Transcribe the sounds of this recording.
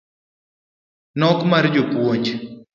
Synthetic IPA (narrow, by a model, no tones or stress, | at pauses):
nɔkmaɾd͡ʒopwoɲt͡ʃ